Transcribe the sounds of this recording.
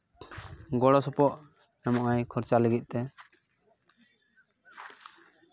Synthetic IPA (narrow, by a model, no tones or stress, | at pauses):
ɡɔɽɔsɔpɔʔ | ɛmɔʔajkʰɔɾt͡ʃalɛɡit̪̚ˀt̪ɛ